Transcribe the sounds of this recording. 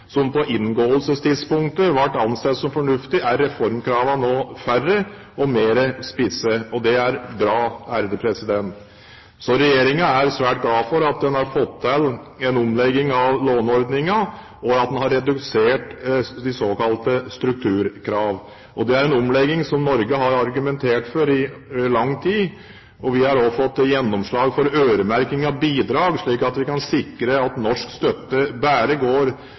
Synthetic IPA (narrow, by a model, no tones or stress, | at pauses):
sɔmpɔʔɪnɡoːəlsəst̪ʰɪd̪spʊŋkt̪əʋæʈːɑnst̪ɛt̪sɔmfɔɳʉft̪ɪʔæɾːɛfɔɾmkʰɾɑːʋɑnoːfærːə | ɔmeːɾəspɪsəɔd̪ɛæɾbɾɑːæɾd̪əpʰɾɛsɪd̪ɛnt̪ | sɔɾɛjeːɾɪŋɑæɾsʋæːʈ̚ɡlɑːfɔɾɑt̪̚d̪ɛnhɑɾfɔt̪ʰːɛlːɛnʊmlɛɡɪŋɑʋloːnɔɾd̪nɪŋɑ | ɔɑt̪̚d̪ɛnhɑɾːɛd̪ʉseːʈd̪ɪsoːkɑlt̪əst̪ɾʉk̚t̪ʰʉːɾkʰɾɑːʋ | ʔɔd̪ɛæɾɛnɔmlɛɡːɪŋsɔmnɔɾɡəɦɑɾɑɾɡʉmɛnt̪ʰeːʈfɔɾɪlɑŋːt̪ʰiː | ɔʋɪhɑɾɔfɔt̪ːjɛnːɔmʂɭɑːɡfɔɾøːɾəmæɾkɪŋɑʋbiːd̪ɾɑːɡʂɭiːkɑt̪ʋɪkɑnsɪkɾəɑt̪nɔʂkst̪œt̪ːəbæːɾəɡoːɾ